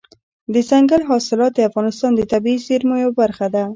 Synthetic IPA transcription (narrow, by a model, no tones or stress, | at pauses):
d̪əzaŋɡalɦɑsɪlɑt̪̚d̪əafɣɑnɪst̪ɑnd̪ət̪abiiseɾmojawbaɾxad̪a